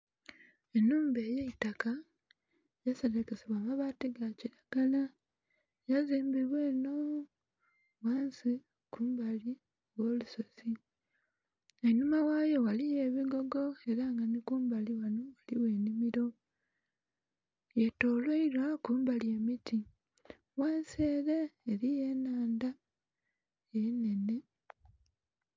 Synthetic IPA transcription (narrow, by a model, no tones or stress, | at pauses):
enuːmbeːjeitaka | jaselekeseβwaːmaβatiɡaciɾaɡ̥ala | jaziːmbiβweːno | waːnsi | kuːmbali | wo̞ːluso̞z̥i | enumawaje̞walije̞ːβiɡo̞ɡo̞e̞ɾaŋɡanikuːmbaliwanowaliwe̞ːnimiɾo̞ | jeto̞ːlweilwakuːmbalie̞miti | waːnseːɾe̞ːɾije̞ːnaːnda | jene̞ne̞